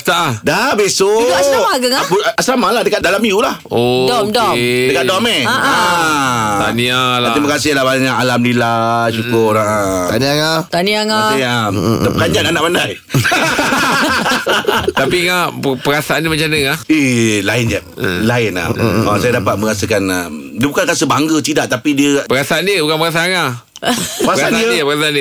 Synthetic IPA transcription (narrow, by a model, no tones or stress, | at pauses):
t̪aʔdabesoiasamaɡəŋapunasamalahdəkaʔ̪̚dalamijulahodɔmdɔdəkatdɔmea | t̪anĩalat̪ɾimakasɪlahbaɲakalamlilaʃukʊɾaʔə | t̪aniaŋat̪aniaŋaaiamapəkaɲd͡ʒananaʔ̚mandaj | t̪apiŋapəɾasaanəmat͡ʃanəŋailaɪnd͡ʒalaɪna̰maasajadapat̪̚mə̃ŋasəkanəmdiəbukanrasəbaŋɡət͡ʃidaʔt̪apidiəpəɾasaandiəbukanpəɾas̬aaŋa | paəɾaaandiəpəɾasaandə